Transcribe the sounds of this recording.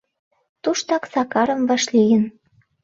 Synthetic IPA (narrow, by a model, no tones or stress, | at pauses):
t̪uʃt̪ɑksɑkɑɾə̆mvɑʃlijə̆n